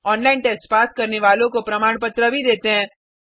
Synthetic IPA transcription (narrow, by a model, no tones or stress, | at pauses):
ɔːnlaːɪnʈeːsʈpaːskɐɾneʋaːlõkopɾɐmaːɽ̃pɐt̪ɾabʱid̪eːt̪eɦɛ̃ː